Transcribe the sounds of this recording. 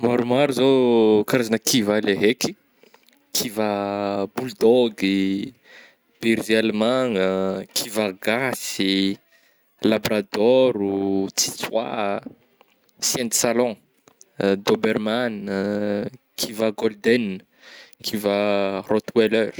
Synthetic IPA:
maɾumaɾuzokaɾazanəkʰivaleɦeki̥ | kʰivabuld̪ɔɡi | b̥iɾzalmaŋəkʰivaɡasi | labɾad̪ɔɾut͡si̥t͡swa | sjɛ̃nt̪i̥salɔ̃ | d̪obɛrman | kʰivaɡɔld̪ɛn | kʰivərɔt̪weløɾ

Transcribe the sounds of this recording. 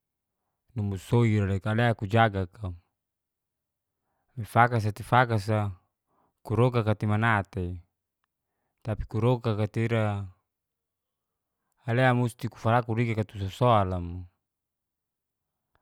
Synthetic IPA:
numusoiɾalekaleakud͡ʒaɡaka | mifakas̬at̪ifakas̬a | kuɾokakat̪imanat̪e | t̪api̥kuɾokakat̪eiɾa | leamust̪iku̥falakuɾiɡakat̪usɔsoalamu

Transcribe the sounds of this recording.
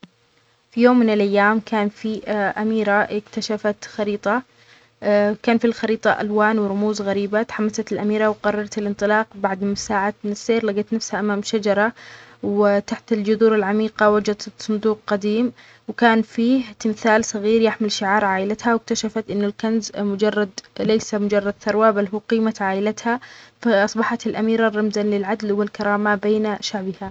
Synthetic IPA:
fijoːmːɪnɪlʔajːaːmkʰaːnfiʔamiːɾaʔɪkt̪aʃafat̪xɑɾiːt̪ˤɑ | kaːnfilxɑɾiːt̪ˤɑʔa̰lwaːnwɪɾˤʊmuːzɣaɾiːbat̪ħamːasat̪ɪlʔamiːɾɑwqɑrˤːɑɾˤɑt̪ɪlʔɪnt̪ˤɨlɑːqbaʕd̪ɪsaːʕat̪nɪsːeːɾlaɡat̪nafshaʔamaːmʃad͡ʒɑɾˤɑwɪt̪aħt̪ɪld͡ʒʊðuːɾɪlʕamiːqɑwad͡ʒad̪sˤʊnd̪uːq̚qad̪iːm | wkaːnfiːht̪ɪmθaːlsˤɑɣiːɾjɪħmɪlʃɪʕɑːɾˤʕaːʔɪlat̪hawɪk̚t̪aʃafat̪ʔɪnːʊlkanzmʊd͡ʒɑrˤːɑd̪lejsamʊd͡ʒɑrˤːɑd̪̚θɑɾˤwabalɦuːqiːmat̪ʕaːʔɪlat̪hafaʔɑsˤbɑħat̪ɪlʔamiːɾarˤːɑmzanlɪlʕad̪lwɪlkɑɾˤɑːmabeːnaʃaʕbɪha

